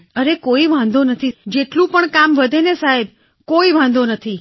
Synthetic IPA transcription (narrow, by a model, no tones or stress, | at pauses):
əɾekoiʋãnd̪ʱonət̪ʰid͡ʒeʈlũpəɳkamʋəd̪ʱenesaɦeb̚ | koiʋãnd̪onət̪ʰi